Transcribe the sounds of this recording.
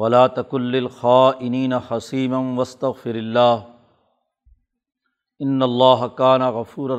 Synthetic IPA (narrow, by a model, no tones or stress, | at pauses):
wɐlaːt̪akʊnlɪlxaːʔɪniːnaħɐsiːmanwɐst̪ɐɣfɪɾɪlːaːh | ʔɪnːɐlˤːaːɦakaːnaɣɐfuːɾɐ